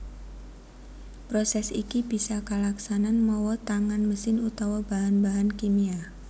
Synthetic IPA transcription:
pɾɔsɛsikib̥isakalaksananmɔwɔt̪aŋanməsɪnut̪awab̥aɦanbaɦankimia

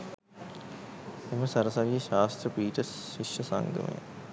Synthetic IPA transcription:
eməsɐɾəsaʋiʃaːst̪rəpiːʈəsɕiʃəsa̰ŋɡə̰mə̰jə̰

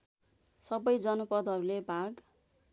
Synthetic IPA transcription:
sʌbʌjd͡zʌnupʌd̪ʌɾulebʱaɡ

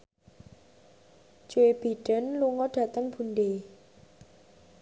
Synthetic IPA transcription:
d͡ʒuweb̥i̤ɖ̥ənluŋɔɖ̥a̤t̪əŋb̥ṳnɖe

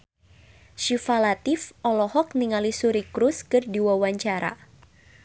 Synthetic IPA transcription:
ʃifalat̪ɪfɔlɔhɔk̚niŋalisuɾikɾʊskɨrdiwawaɲt͡ʃaɾa̰

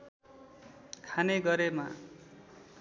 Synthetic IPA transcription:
kʰaneɡʌɾema̰

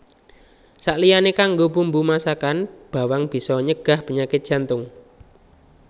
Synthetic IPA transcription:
saʔlijanekaŋɡobumbumasakanb̥a̤waŋb̥i̤sɔɲəɡ̥a̤hpəɲakɪt̪̚ʒ̥a̤nt̪ʊŋ

